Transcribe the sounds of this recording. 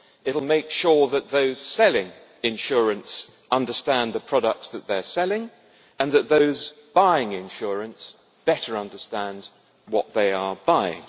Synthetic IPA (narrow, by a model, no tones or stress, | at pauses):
ɪɾl̩ˠmeɪkʃʊɹðɨt̪̚ðoʊz̥sɛlˠɪ̃ŋ | ɨ̃nʃʊɹɨ̃ns | ʌ̃ndə˞stæ̃nðɨpʰɹ̥ɑɾək̚tsðɨt̪̚ðə˞sɛlˠɪ̃ŋ | ɨ̃nðɨt̪̚ðoʊzb̥aɪɪ̃ŋɪ̃nʃʊɹɨ̃ns | b̥ɛɾə˞ʌ̃ndə˞stæ̃nd | wʌt̪̚ðeɪəbaɪɪ̰̃ŋ